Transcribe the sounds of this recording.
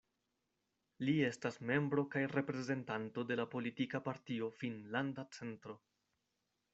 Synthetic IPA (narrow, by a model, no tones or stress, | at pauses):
lie̞stasme̞mbɾo̞kajɾe̞pɾe̞ze̞ntanto̞de̞lapo̞litikapaɾtio̞finlandat͡se̞ntɾo̞